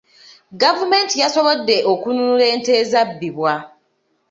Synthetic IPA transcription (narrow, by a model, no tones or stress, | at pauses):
ɡavumentijasoβodːeʔokunuleːntezabːiβwa